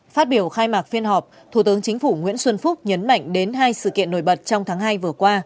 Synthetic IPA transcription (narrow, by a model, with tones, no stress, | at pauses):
faː˦˥t̚ɓi˧˩əwxaː˧jmaː˨˩k̚fi˧ənhɦɔ˨˩p̚ | t̪ʰu˧˩t̪ɨ˨˦əŋt͡ɕï˨˦ŋ̟fu˧˩ŋwḭ˧˥ənswə˧nfʊ˦˥k͡p̚ɲə˨˦nma̰˧˨jŋ̟ɗe˨˦nɦaː˧jsɨ̰˧˨kḭ˧˨ənːo̰˧˩jɓə˨˩t̚t͡ɕɔ˧wŋ͡mt̪ʰaː˨˦ŋɦaː˧jvɨ˨˩əkwaː˧